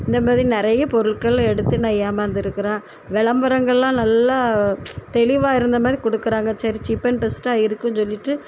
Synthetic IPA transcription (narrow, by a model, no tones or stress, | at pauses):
ɪnd̪ɐmaːðɾinɪɾɐjɐpɔɾɯɭkɐɭɛɽɯt̪ːɯnaːjaːmɐnd̪ɪɾɯkːɯɾãː | ʋɛɭɐmbɐɾɐŋɡɐɭlãːnɐlːat̪ɛɭɪʋaːɪɾɯnd̪ɐmaːðɾikɔɽɯkːɯɾaːŋɡɐt͡ʃːɐɾit͡ʃɪpːɐnpɛsʈaːɪɾɯkːɯ̃nsɔlːɪʈːɯ